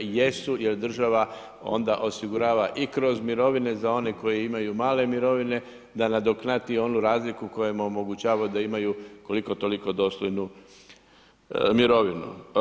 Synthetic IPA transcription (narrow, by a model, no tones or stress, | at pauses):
je̞suje̞ɾd̪r̩ʒaʋa | o̞̰nd̪aʔo̞siɡuɾaːʋaʔikɾo̞zmiɾo̞ʋine̞zao̞neko̞jiimajumaːle̞miɾo̞ʋine̞ | d̪anad̪o̞knat̪io̞nuɾaːzlikuko̞jemomo̞ɡut͡ʃaːʋajud̪aimajuko̞liko̞t̪o̞liko̞d̪o̞st̪ojnu | miɾo̞ʋinṵ